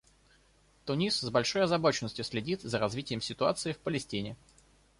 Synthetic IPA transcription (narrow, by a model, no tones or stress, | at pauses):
t̪ʊnʲiszbɐlʲʂo̞jɐzɐbo̞t͡ɕɪnəsʲtʲjʊsʲlʲɪdʲit̪zəɾɐzvʲitʲɪjəmsʲɪt̪ʊa̰t̪sɨɪfpəlʲɪsʲtʲinʲɪ